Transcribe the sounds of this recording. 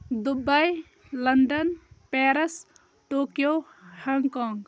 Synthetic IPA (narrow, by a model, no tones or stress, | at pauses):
d̪ubɐj | lɐɳɖənpeɾɐs | ʈoːkijo | hɐŋɡkɔːŋɡ